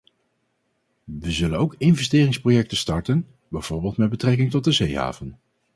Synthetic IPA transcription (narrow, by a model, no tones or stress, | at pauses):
ʋəzɵlənowkɪnvɛsteːrɪŋsprojɛk̚təstɑɹtən | bɛjv̥ʊːɹbeːlˠtmɛd̚bətrɛkɪŋtɔt̚dəzejɦa̰ːvən